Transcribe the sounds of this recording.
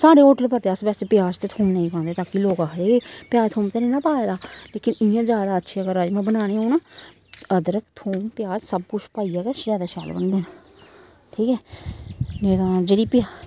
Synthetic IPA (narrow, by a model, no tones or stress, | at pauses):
saːɽeːɦoːʈəlpəɾt̪eːəsbɛːsepɪjaːd͡ʒt̪eːt̪ʰoːmnəĩːkʰãːnd̪eːt̪ãːkiloːkaːeːpɪjaːt̪ʰoːmt̪eːnẽːnãːpaːed̪aːleːkɪnɪjãːzjaːd̪aːətːʃʰeːəɡəɾaːd͡ʒemɛ̃ːbənaːnẽːɦoːnãː | əd̪əɾəkt̪ʰoːmpɪjaːd͡ʒsəb̚kʊt͡ʃʰpaːiːɛːɡɛːʃɾaːd̪aːʃa̰ːlbə̰nd̪eːna | ʈʰiːkɛː | neːd̪ãːd͡ʒeːɽiːpɪjaː